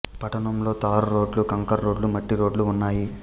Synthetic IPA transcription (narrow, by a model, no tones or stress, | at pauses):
pɐʈɐnɐmlo̞ːt̪aːɾuɾo̞ːɖlukɐŋkɐɾɾo̞ːɖlumɐʈːiɾo̞ːɖluunːaːji